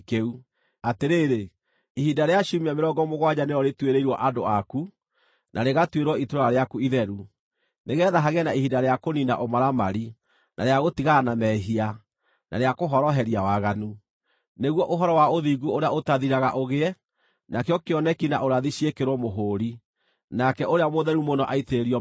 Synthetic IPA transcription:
keu | ateɾeːɾe | ihidaɾeaɕumiameɾɔːŋɡɔmoɣwaɲaneɔɾetweɾeiɾwɔʔadoaku | nʔaɾeɣatweɾwɔitoɾaɾeakuiðɛɾu | neɣɛːðaɦaɣɛnaihidaɾeakonina̰ʔomaɾamaɾi | naɾeaɣotiɣanamɛɦia | na̰ɾeakoɦɔɾɔɦɛɾiawaɣanu | neɣwɔʔoɦɔɾɔwaoðiɡuoɾeaotaðiɾaɣaʔoɣeɛ | nakeɔkeɔnɛkinaʔoɾaðiɕiekeɾwɔmoɦoːɾi | nakɛʔoɾeamoðɛɾumonɔʔaiteɾiɔ

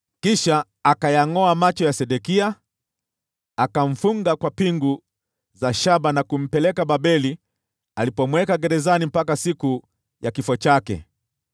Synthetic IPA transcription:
kiʃaː | kajaŋɔamat͡ʃɔjasɛɗɛkia | akaɱ̩fuŋɡakwapiŋɡu | zaʃabanakum̩pɛlɛkababɛli | alipɔmwɛkaɡɛɾɛzanim̩pakasiku | jakifɔt͡ʃakɛ̰

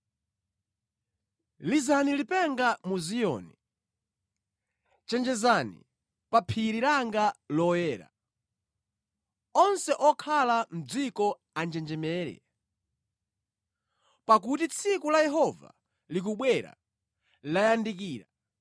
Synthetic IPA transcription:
lizanilipɛŋɡamuzijɔ̰ni | t͡ʃɛnd͡ʒɛzanḭ | papʰiɾiɾaŋɡalɔjɛːɾa̰ | ɔnsɛʔɔkʰalam̩d͡zikɔ | and͡ʒɛnd͡ʒɛmɛːɾɛ̰ | pakutit͡sʰikulajɛɦɔva̰ | lik̬uɓwɛɾa̰ | lajandik̬iːɾa

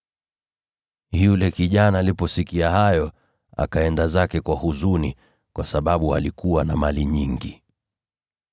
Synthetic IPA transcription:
julɛkiʄanaːlipɔsikiahajɔ | a̰kaɛndazakɛkwahuzuni | kwasaɓaɓua̰likuwanamaliɲiŋɡi

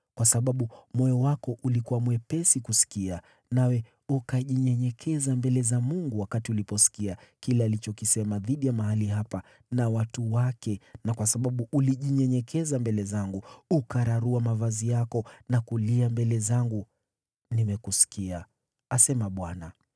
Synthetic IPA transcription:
kwasaɓaɓumɔjɔwakɔʔulikuwamuɛpɛsikusi̥kia | nawɛ | ukaʄiɲɛɲɛkʰɛzambɛlɛzamuŋɡuwakatiulipɔsi̥kiakilɛalit͡ʃɔkisɛmaðiɗijamaɦaliɦapa | nawatuwakɛnakwasaɓaɓuʔuliʄiɲɛɲɛkʰɛzambɛlɛzaŋɡuukaɾaɾuamavazijakɔnakuliambɛlɛzaŋɡu | nimɛkusi̥kia | asɛmaɓwana

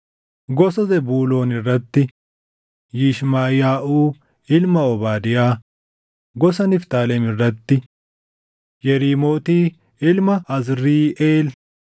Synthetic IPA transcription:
ɡɔsɔzɛbuːlo̞ːnɪrːɐt̪ːɪ | jiːʃmaːjaːʔuː | ɪlmɐɔbaːd̪ɪjaː | ɡɔsɐnɪft̪aːlɛmɪrːɐt̪ːɪ | jɛɾiːmo̞ːt̪iː | ɪlmɐɐzɾiːʔeːl

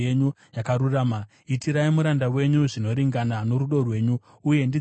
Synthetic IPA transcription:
eɲu | jakaɾuraːma | itiɾaimuɾandawe̞ɲuʐino̞ɾiŋɡanano̞ɾuɗo̞rwe̞ːɲuː | je̞ndi

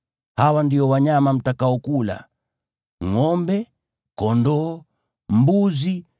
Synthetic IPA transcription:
hawandiɔwaɲamam̩takaɔkula̰ | ŋɔmbɛ | kɔndɔː | m̩buzi

